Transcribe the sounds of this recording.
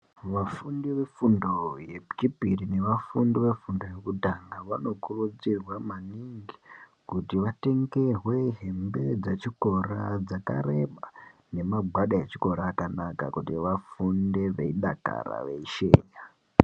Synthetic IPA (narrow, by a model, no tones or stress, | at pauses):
ʋafundiʋe̞fundo̞je̞bɡipirine̞ʋafundiʋe̞fundo̞je̞kutaŋɡaʋano̞kurud͡zirwamaniŋɡi | kutiʋate̞ŋɡe̞rwe̞ɦe̞mbe̞d͡zet͡ʃiko̞rad͡zaka̰re̞ɓa | ne̞maɡʱwaɗaet͡ʃi̥ko̞ɾaːkanaka̰kutiʋafunde̞ʋe̞̰iɗa̰ka̰ɾa̰ʋe̞̰iʃe̞̰ːɲa